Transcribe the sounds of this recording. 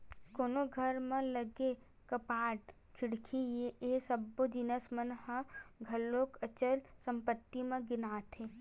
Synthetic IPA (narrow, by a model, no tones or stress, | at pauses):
koːnoɡʱɐɾmẽləɡe | kɐpaːʈ | kʰɪɽkʰijeesəbːod͡ʒ̪ɪnəsmənhə̃ɡʱɐlːoːkət͡ʃəlsə̃mpət̪ːimẽɡɪnaːt̪ʰeː